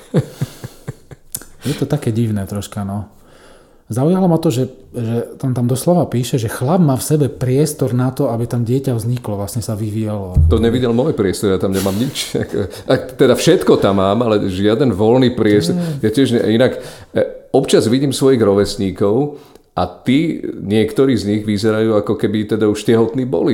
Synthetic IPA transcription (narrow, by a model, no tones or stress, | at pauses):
jɛt̪ɔt̪akɛːɟiʋnɛːt̪ɾɔʃkanɔ | zaujalamɔt̪ɔʒɛʒɛt̪ant̪amd̪ɔslɔʋapiːʃɛʒɛxlab̚maːfsɛbɛpɾɪɛst̪ɔɾnat̪ɔabit̪amɟɪɛcaʋzɲiklɔʋlasɲɛsaʋiʋijalɔt̪ɔɲɛʋiɟɛlmɔjpɾɪɛst̪ɔɾjat̪amɲɛmaːmɲit͡ʃa̰k | at̪ɛd̪afʃɛt̪kɔt̪amːaːmalɛʒɪad̪ɛnʋɔlniːpɾɪɛst̪ɔɾjɛtɪɛʒɲɛ̰inak | ɔpt͡ʃazʋiɟiːmsʋɔjiɣɾɔʋɛsɲiːkɔʊ | ʔat̪iɲɪɛkt̪ɔɾiːzɲiɣʋizɛɾajuːakɔkɛbit̪ɛd̪auʃcɛɦɔt̪niːbɔ̰li